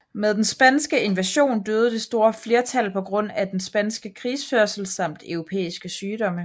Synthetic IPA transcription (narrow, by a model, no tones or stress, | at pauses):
með̞ˠd̥ensb̥ænsɡ̥əe̝nʋæɕo̝̰ːnd̥øːð̞̩ˠəd̥e̝sd̥o̝ːɐfle̝ɐt͡sʰælpʰɒ̽ɡ̥ʁɔ̽n̰æd̥ensb̥ænsɡ̥əkʰʁiːsføɐ̰sl̩sɑ̈m̰d̥œʊʁo̝pʰḛːisɡ̥əsyːd̥ɒ̽mə